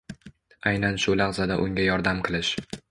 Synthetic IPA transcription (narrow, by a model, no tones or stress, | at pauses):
ajnanʃʊlɑʁzad̪aʔʊŋʲajɒɾd̪amqʰɨlˠɪʃ